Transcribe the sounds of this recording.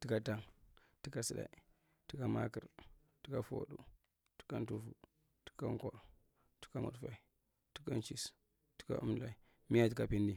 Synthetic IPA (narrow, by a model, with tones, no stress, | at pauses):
ti˦ka˦ta˦ŋ | ti˦ka˦si˦da̰˨i˨ | ti˦ka˦ma˦ki˨ɾ | ti̥˦ka˦fo̰˦ɗu˦˨ | ti̥˦ka˦n˦tu˦fu˨ | ti̥˦ka˦ŋ˦ko˨ɾ | ti̥˦ka˦mu˨dfa˨i˨ | ti̥˦ka˦n˦t͡ʃi˦s | ti̥˦ka̰˦ʔṵ˦m˨la˨i˨ | mi˦ja˦ti˦ka˦˨pi˦ndi˦